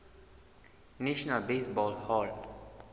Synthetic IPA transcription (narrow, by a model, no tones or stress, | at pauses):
neʃnalbesbɔlhɔl